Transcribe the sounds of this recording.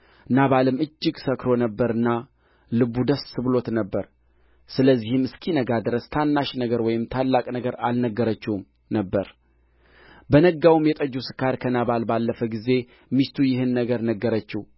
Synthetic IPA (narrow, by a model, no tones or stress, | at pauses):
naβalɨmɨd͡ʒːɪɡsəkɾo̞nəbːəɾɨnːa | lɨbːud̪əsːɨβlo̞t̪nəbːəɾ | sɨləzːihɪmɨskʰinəɡad̪ɾəst̪ʰanːaʃnəɡəɾwɔjɪmt̪ʰalːakʼnəɡəɾa̰lnəɡəɾət͡ʃːum | nəbːəɾ | bənəɡawumjɛt̪ʼəd͡ʒusɨ̥kaɾkʰənaβalbalːəfəɡize̞ | mist̪ʰujɪhɨnːəɡəɾnəɡːəɾət͡ʃːɛh